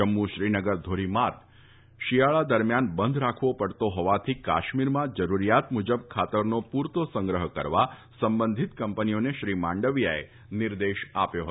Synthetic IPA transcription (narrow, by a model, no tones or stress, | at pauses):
əmːuʃɾinəɡəɾd̪ʱoɾimat̪ | ʃijaɭad̪əɾmjanbənd̪ʱɾakʰʋopəɽt̪oɦɔʋat̪ʰika̰ʃmiɾmãd͡ʒəɾuɾijat̪mud͡ʒəb̚kʰat̪əɾnopuɾt̪osə̃ŋɡɾəɦəkə̰ɾʋa | səmbənd̪ʱit̪kəmpənijoneʃɾimãɳɖəʋjaḛ | nɪɾd̪eʃapjoɦət̪